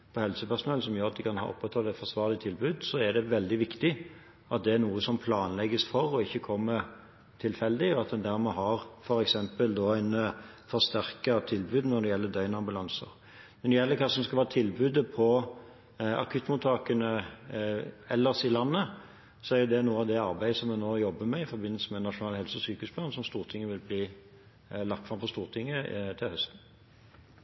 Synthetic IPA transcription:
pʰɔhɛlsəpæʁʂʊnɛl̩sɔmjøɾɑt̪̚d̪ɪkʰɑnhɑ̰ːʔɔ̰pːɛt̪ʰːɑːɛt̪fɔsʋɑːʁlɪt̪ʰɪlbʉːd̪sɔæd̪ɛʋɛld̪ɪʋɪkt̪ɪ | ɑt̪̚d̪ɛæɾnuːəsɔmpʰlɑːnlɛɡəsfɔɾɔɪçːəkʰɔmːə | t̪ʰɪlfɛld̪ɪɔɑt̪̚d̪ɛnd̪æɾmɛɦɑɾfɔɾɛksɛmpəld̪ɔːæɪnfɔɾst̪æʁkɑt̪ʰɪlbʉːd̪nɔd̪ɛjɛlːəd̪œʏnɑmbʉlɑnsə̰ɾ | nɔd̪ɛjɛlːəɾkʰɑːsɔmskɑlʋɑːɑt̪ʰɪlbʉːd̪əpʰɔ | ɑ̰kʰʉt̪ːmʊt̪ʰɑːkənə | ɛlːəsɪlɑnːə | sɔæɾjʊd̪ɛnuːəɑʋd̪ɛɑɾbæɪəsɔmɛnoːjɔbːəmɛɪfɔɾbɪnːəlsəmɛnɑʂʊnɑːlhɛlsəɔsyːkəʉːsplɑːnsɔmst̪uːʁt̪ʰɪŋːəʋɪlbliː | lɑkt̪fɾɑmfɔst̪uːʁt̪ʰɪŋːət̪ʰɪlhœst̪n̩

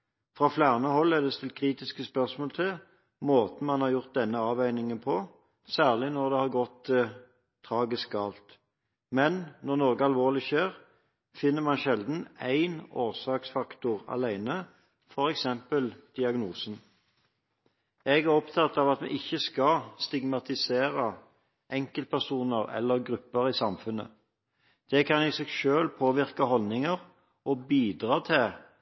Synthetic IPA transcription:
fʁɑːflæʁnəhɔlːɛʁd̪ɛst̪ɪlt̪kʰʁiːt̪ɪskəspœʁsmoːlt̪ʰɪ | moːt̪n̩mɑnhɑʁjʊʁt̪̚d̪ɛnːəɑːʋæʏnɪŋənpʰɔ | sæːʁlɪnɔʁd̪ɛːhɑʁɡɔt̪ | t̪ʰːʁɑːɡɪsk̚ɡɑːlt̪ | mɛnnɔʁnɔʁɡəɑlʋoːʁlɪçeːʁ | fɪnːəmɑnʃɛld̪n̩æɪnoːʁsɑːksfɑkt̪ʊʁɑ̰læɪnə | fɔɾɛksɛmpəld̪̥ɪɑɡnuːsn̩ | ɛɡæʁɔpt̪ʰɑt̪ːɑʋɑt̪mɛ̰ɪçːəskɑst̪ɪɡmɑt̪ɪseːʁə | ʔɛŋkəlt̪̚pʰæʁsuːnəʁɛ̰lːəʁɡʁʉpːəʁiːsɑmfʉnə̰ | d̪̥ɛkʰɑnɪsɛɡʃøːlpʰoːʋɪʁkəhɔlnɪŋəʁ | ʔɔbiːd̪ʁɑːt̪ʰɪ

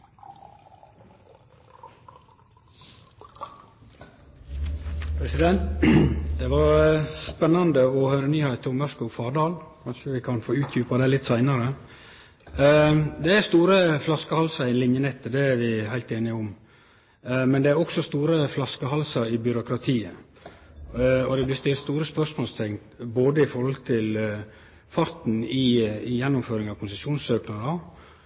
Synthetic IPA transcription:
pʰɾɛsɪd̪ɛnt̪d̪̥ɛʋɑɾspɛnːɑnd̪əɔhœʏɾənyːhæɪt̪əʊmʋæʂkəʊfɑːɖɑːlkʰɑnʂəʋɪkʰɑnfoːʉːt̪ʰjʉːpɑd̪ɛlɪt̪ːsæɪnɑɾə | d̪ɛæɾst̪uːɾəflɑskəhɑlsɑɾɪnlɪnjənɛt̪ːəd̪ɛːɾʋɪhæɪlt̪eːnɪʊm | mɛnd̪ɛæɾɔksɔst̪uːɾəflɑskəhɑlsɑɾɪbʏɾʊkɾɑt̪ʰiːə | ɔd̪ɛblɪst̪ɪlst̪uːɾəspœʂmoːlst̪ʰɛŋt̪boːd̪əɪfɔɾhɔlt̪ʰɪl | fɑɾt̪n̩ɪɪjɛnːʊmføːɾɪŋɑʋkʰʊnsəsjuːnsøːknɑɾə

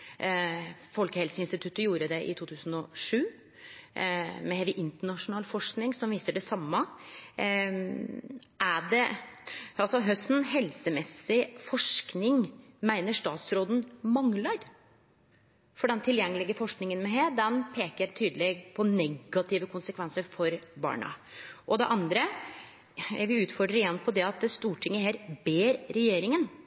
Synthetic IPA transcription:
fɔlkəhɛlsəɪnst̪ɪt̪ʰʉt̪ːəjuːɾəd̪ɛʔɪ̰t̪ʰuːt̪ʰʉːsn̩ɔʂʉː | mɛhɛlɪʔɪnt̪əɳɑʂʊnɑːlfɔʂknɪŋsɔmʋiːsəɖɛsɑmːə | ʔæɖɛ | ɑlsɔɦœsnɦɛlsəmɛsːɪfɔʂknɪŋmæɪnəʂt̪ɑːt̪sɾoːd̪n̩mɑŋlɑɾ | fɔɖɛnt̪ʰɪljɛŋːəlɪɡəfɔʂknɪŋənmɛɦeːd̪ɛnpʰeːkət̪ʰyːd̪əleːɡpʰɔnɛɡːɑt̪ʰɪːʋəkʰʊnsəkʰʋɛnsəɾfɔɾbɑ̰ːɳɑ̰ʔɔd̪ɛ̰ʔɑnd̪ɾə | ʋɪʉːt̪fɔɖɾəjɛnːpʰɔd̪ɛɑt̪̚d̪st̪uːʈʰɪŋːəheːɾbeːɾɾɛjeːɾɪŋən

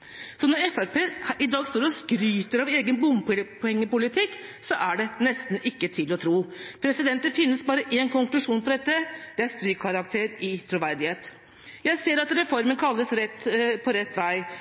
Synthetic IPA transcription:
sɔnɔɾɛfæɾpeːʔɪd̪ɑːɡst̪oːɾɔskɾyːt̪əɾɑʋeːɡənbʊmppʰɔɛŋːəpʊlɪt̪ʰɪkːsɔʔæɖɛnɛst̪n̩ʔɪkːət̪ʰɪlɔt̪ʰɾuːpʰɾɛsɪd̪ɛnt̪əfɪnːəsbɑːɾəʔeːnkʰʊŋklʉʂuːnpʰɔd̪ɛt̪ːəd̪̥ɛæɾst̪ɾyːkʰɑɾɑkt̪ʰeːɾɪt̪ʰɾʊʋæɾd̪ɪheːt̪ | jæɪseːɾɑt̪ɾɛfɔɾmənkʰɑlːəsɾɛt̪ːpʰɔɾɛt̪ːʋæɪ

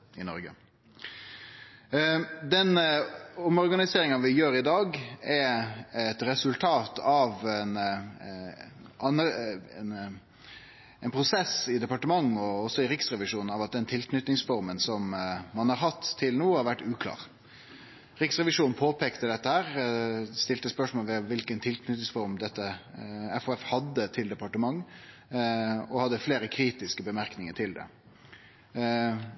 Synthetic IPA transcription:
ɪnɔ̰ɾɡə̰ | d̪ɛn | ɔmɔʁɡɑnɪseːɾɪŋɑʋɪjøːɾɪd̪ɑːɡɛɛt̪ɾɛsʉlt̪ʰɑːt̪ʰɑʋɛn | ɑnn | ɛɪnpʰɾʊsɛsɪd̪ɛpɑʈəmɑŋːɔɔsːɔɪɾɪksʁɛʋɪʂuːnn̩ɑʋɑt̪̚d̪ɛnt̪ʰɪlknʏt̪nɪŋsfɔɾmənsɔmmɑnhɑɾɦɑt̪ʰːɪlnuːhɑɾʋæʈːʉːkʰlɑ̰ːʁ | ɾɪksʁɛʋɪʂuːn̩pʰoːpʰeːkt̪əd̪ɛt̪ːəhæːɾst̪ɪlt̪əspœʂmoːləʋɛʋɪlkənt̪ʰɪlknʏt̪nɪŋsfɔɾmd̪ɛt̪ːəɛfoːɛfhɑd̪ːət̪ʰɪld̪ɛpɑʈəmɑŋː | ɔhɑd̪ːəfleːɾəkʰɾiːt̪ɪskəbəmæɾknɪŋəʈʰɪld̪ɛ̰

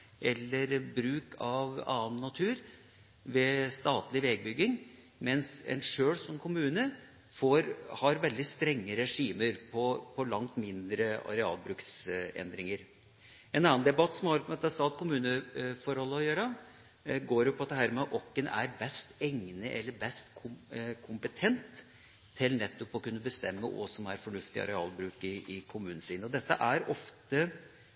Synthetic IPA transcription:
ʔɛlːəɾbɾʉːkʰɑʋɑ̰ːənːɑt̪ʰʉːɾ | ʋɛst̪ɑːt̪lɪʋɛːɡ̚bʏɡːɪŋ | mɛnsɛ̰nʂøːɽsɔmkʰʊmʉːnə | foɾhɑɾʋɛld̪ɪst̪ɾɛŋːəɾɛʂiːməɾpʰɔpʰɔlɑŋt̪mɪnd̪ɾəɑ̰ɾɛɑ̰ːlbɾʉːksɛ̰nd̪ɾɪŋəɾ | ɛnɑnːənd̪ɛbɑt̪ːsɔmhɑɾpmɛɑt̪ːɑst̪ɑːt̪kʰʊmʉːnəfɔɾhɔlːəɔjøːɾə | ɡoːɾɛʊpʰɔɑt̪̚d̪ɛhæːɾmɛʔɔkːənæ̰ɾbɛst̪ɛŋnəʔɛlːəɾbɛst̪kʰʊkʰʊmpət̪ʰɛnt̪ʰː | ɪlnɛt̪ːɔpɔkʉnːəbəst̪ɛmːəʔɔ̰sɔmæɾfɔɳʉft̪ɪɑ̰ɾɛɑːlbɾʉːkɪɪkʰʊmʉːnn̩siːnəɔd̪ɛt̪ːəʔæɾɔft̪ə

